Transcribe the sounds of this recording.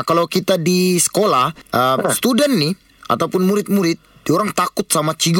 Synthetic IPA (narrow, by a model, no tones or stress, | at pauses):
kalawkit̪adisə̥kolahʔəmst̪udɛnːɪh | a̰t̪awpʊnmuɾɪt̪̚muɾɪt̪̚dioɾaŋt̪akʊt̪̚samat͡ʃiɡ